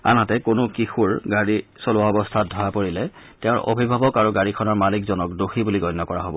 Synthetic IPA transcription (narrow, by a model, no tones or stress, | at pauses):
a̰nɦatɛkʊnʊkixuɹɡaɹisolʊaɔbɔstʰat̚dʱɔjapoɹilɛ | tɛʊ̃ɹʔo̰bʱibʱabɔkaɹuɡaɹikʰɔnaɹmalikzɔnɔk̚doxibuliɡɔjnːɔkɔɹaɦobɔ